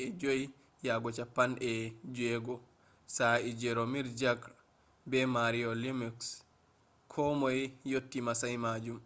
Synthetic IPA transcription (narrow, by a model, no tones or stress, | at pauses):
ɛd͡ʒoj | jaɡɔt͡ʃapːanɛd͡ʒɛɡɔ | said͡ʒɛɾomiɾd͡ʒaɡ | bɛmaɾiɔlimiks | kʰɔmɔjjotːimasajmad͡ʒum